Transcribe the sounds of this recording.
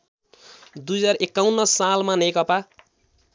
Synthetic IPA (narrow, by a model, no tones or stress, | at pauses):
d̪ujʌd͡zarekːawnːʌsalmanekʌpa